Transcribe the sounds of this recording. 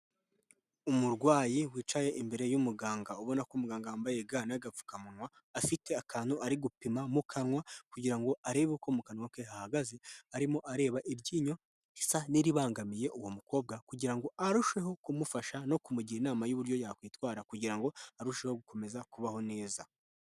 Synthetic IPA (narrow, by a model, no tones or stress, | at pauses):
umuɾɡwaːjiwiːt͡ʃaje̞ʔimbe̞ɾe̞jumuɡaːŋɡauβo̞nakomuɡaːŋɡaaːmbaje̞ɡaːnaɡap͡fu̥kamunwaː | fite̞akʰaːnhuaɾiɡupimamukʰanŋwakuɟiɾaŋɡo̞aɾe̞ːβukomukanwakehahaɡaze̞aɾimo̞ʔaɾe̞ːβaʔiɾɟiːɲo̞ | isaniɾiβaːŋɡamije̞ʔuwomuko̞ːb̚ɡakuɟiɾaŋɡo̞aɾuʃe̞ɦo̞kumufaʃano̞kumuɟiɾinaːmajuβuɾɟo̞jakwiːtwaːɾakuɟiɾaŋɡo̞aɾuʃehoɡuko̞me̞zakuβaho̞ne̞ːza